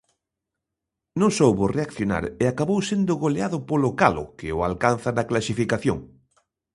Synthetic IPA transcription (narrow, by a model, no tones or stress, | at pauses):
nõŋsowβʊreakθjona̰ɾeakaβowsend̪ʊɣoleaðʊpolʊkalʊ̰kɪʊa̰lkanθaðɐklasifikaθjo̰ŋ